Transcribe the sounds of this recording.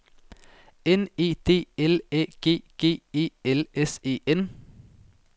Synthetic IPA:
ɛniːt̪ʰeːɛleːɡ̥eːɡ̥eːeːɛlɛseːʔɛn

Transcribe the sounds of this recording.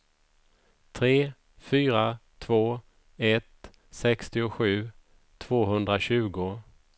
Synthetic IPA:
t̪ʰɾeː | fyːɾat̪ʰv̥oː | ɛt̪ | sɛkst̪ɪʊɧʉ̟ː | t̪ʰv̥oːɦɵnd̪ɾaɕʉ̟ːɡʊ

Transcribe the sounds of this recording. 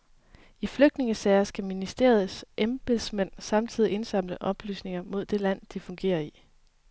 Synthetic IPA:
ifløɡ̥d̥ne̝ŋəsɛːɪɐsɡ̥æminisd̥e̝̰ɐð̩ˠsʔemb̥elsmen̰sɑ̈mt͡sʰið̰ˠie̝nsɑ̈m̰ləʔɒ̽b̥ly̰ːsne̝ŋɐmo̝ð̞̰ˠd̥e̝læn̰d̥ifɔ̽ŋɡ̥e̝̰ːɐi

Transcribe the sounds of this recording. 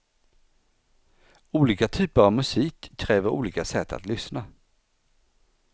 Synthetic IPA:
uːliːkat̪ʰyːpəɾavmɵsiːkʰːɾɛːvəɾṵːliːkasɛt̪ʰːa̰t̪lʏsna

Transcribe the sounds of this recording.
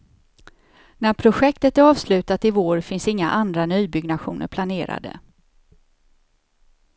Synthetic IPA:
næɾpʰɾʊɧɛkt̪ət̪æɾɑːvslʉ̟ːt̪at̪ɪvoːɾfɪnsɪŋːa̰ʔand̪ɾanyːbʏɡnaɧṵːnə̰ɾpʰlaneːɾa̰d̪ə̰

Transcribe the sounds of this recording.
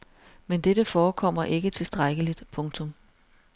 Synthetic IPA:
mend̥eɾəfɒːkʰɒ̽m̰ɐʔe̝ɡ̥ət͡sʰe̝sd̥ʁaɡ̥əlid̥pʰɔ̽ŋt͡sʰɔ̽m

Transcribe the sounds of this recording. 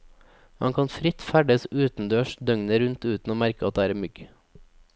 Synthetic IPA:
hɑ̰ŋkʰɑnfɾɪt̪fæɖəsʉːt̪n̩d̪øːʃd̪œŋnəɾʉnt̪ʉːt̪n̩oːmæɾkəɑt̪̚d̪eːæːɾemʏɡ

